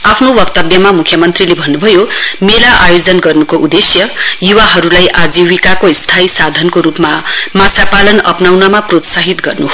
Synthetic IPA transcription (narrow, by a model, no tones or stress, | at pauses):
apʰnowʌkt̪ʌbjʌmamukʰjʌmʌnt̪rilebʱʌnːubʱʌjomelaʔajod͡zʌnɡʌrnukoʔud̪esjʌjuwaɦʌɾulajʔad͡ziwikakoist̪ʰaisad̪ʱʌnkoɾupmamasapalʌnʌpnawnʌmaprot̪saɦit̪ɡʌrnuɦ